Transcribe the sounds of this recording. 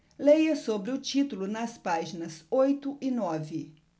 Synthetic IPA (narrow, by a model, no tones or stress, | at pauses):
lejɐsobɾɪʊt͡ʃit̪ʊlʊnɐspaʒinɐzojt̪ʊʔɪnɔvɪ